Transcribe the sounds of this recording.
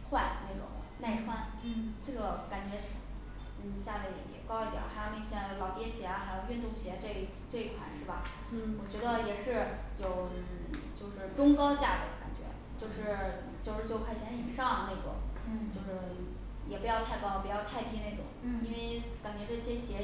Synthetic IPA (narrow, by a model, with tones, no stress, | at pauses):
xwa˥˧nne˥˩ʈ͡ʂʊ̰˨˩˦ŋna˥˧ɪʈ͡ʂʰwa˥˩n | ʈ͡ʂɤ˥˩ɡə˩ka˨˩nt͡ɕɥɛ˧˥ʂ̩˥˩˧ | t͡ɕja˥˧le˥˩ɪ˩jɛ̰˨˩kɑ˥ʊi˧˥t̪jɑ̰˨˩˥xɪo˨˩ʊni˥˩ɕjɑ˥˩˥lɑ˨˩ʊt̪jɛ˥˩ɕjɛ˧˥a˧xɪjo˨˩ʊy˥˧nt̪ʊ˥˩ŋɕjɛ˧˥ʈ͡ʂɤ˥˧˩ | ʈ͡ʂɤ˥˧i˥˩kʰwa̰˨˩˦nʂɻ̩˥˩bɐ˩ | wɔ˨˩t͡ɕɥɛ˧˥d̪ə˧jɛ˨˩ʂɻ̩˥˩ | jo˨˩ʊn̩˥˩t͡ɕjo˥˧ʊʂɻ̩˥˩ʈ͡ʂʊ˥ŋkɑ˥ʊt͡ɕja˥˩d̪ə̰˩ka̰˨˩nt͡ɕɥɛ̰˧˥ | t͡ɕjo˥˧ʊʂɻ̩˥˩˥ | t͡ɕjo˥˧ʊʂɻ̩˥˧t͡ɕjʊkʰa˥˩ɪɕjɛ˧˥n˥y˨˩ʂɑ˥˩ŋ˩ne˥˩ɪʈ͡ʂʊ̰˨˩˦ŋt͡ɕo˥˧ʊʂɻ̩˥˩ | jɛ˨˩pu˧˥jɑ˥˧ʊt̪ʰa˥˧ɪkɑ˥˧˩pu˧˩t͡ɕjɑ˥˧ʊt̪ʰa˥˩ɪt̪i˥ne˥˩ɪʈ͡ʂʊ̰˨˩˦ŋi˥nwe˥˧ɪ | ka˨˩nt͡ɕɥɛ˧˥ʈ͡ʂɤ˥˩ɕjɛ˥ɕjɛ˧˥